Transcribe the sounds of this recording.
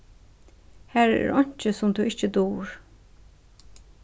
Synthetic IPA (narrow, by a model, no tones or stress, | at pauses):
hæːɹɛ̰ːɹɔɲ̥t͡ʃəsʊmt̪ʰuʔɪht͡ʃəd̪uːɹ